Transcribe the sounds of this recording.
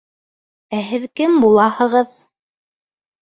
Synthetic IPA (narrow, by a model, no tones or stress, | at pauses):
æɦɘðkɘmbulˠɑhɤ̆ʁɤð